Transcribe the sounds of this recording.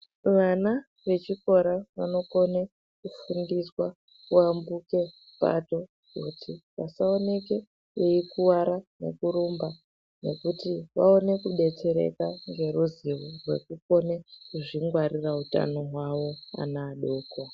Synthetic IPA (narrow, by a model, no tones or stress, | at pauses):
ʋana | ʋe̞t͡ʃiko̞ɾaʋano̞ko̞ne | kufundiswa | kuambuke̞ | pa̰to̞ | kutʰiʋasaone̞ke | eikuwaɾane̞̰kuɾumba | ne̞kutiʋa̰o̞ne̞kuɗe̞t͡se̞ɾḛkaŋɡe̞ɾuziʋorwe̞̰kuko̞nekuʐiŋɡwaɾirauta̰no̞ɦwaʋo̞a̰naːɗoːkwa